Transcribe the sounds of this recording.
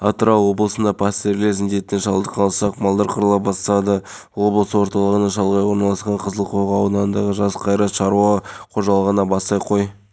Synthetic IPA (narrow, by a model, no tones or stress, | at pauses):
ɑt̪ɾɑwo̞blˠəsənd̪ɑpʰɑst̪e̞ɾleɾzɪnd̪e̞t̪ːenʃɑlˠd̪əqʰɑlˠsɑqmɑlˠd̪əɾqʰʊɾəlˠɑp̚bɑst̪ɑd̪əwo̞blˠəsəwo̞ɾt̪ɑlˠəʁənɑʃɑlˠʁɑjwo̞ɾnɑlˠɑsqɑɴqʰəzəlˠqʰoʁɑːwnɑnd̪ɑʁəʒɑsqʰɑjɾɑt̪ʃɑɾuwɑqʰo̞ʒɑlˠəʁənɑbɑst̪ɑjqʰo̞j